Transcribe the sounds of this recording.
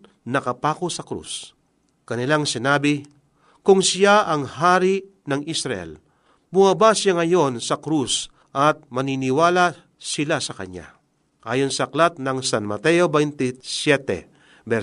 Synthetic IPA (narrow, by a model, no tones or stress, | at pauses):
nɐkɐpaːkosɐkɾṵs | kɐnɪlaŋsɪnaːbɪ | kʊŋsjaʔɐŋhaːɾi | nɐŋʔisɾɐʔɛ̰l | mʊabasjaŋɐjo̞nsɐkɾus | ʔɐt̪̚mɐninɪwaːla | sɪlasɐkɐ̰ɲa̰ | ʔaːjonsɐɐklat̪̚nɐŋsanmɐt̪ɛjobɛjnt̪ɪsjɛt̪ɛ̰ | bɛ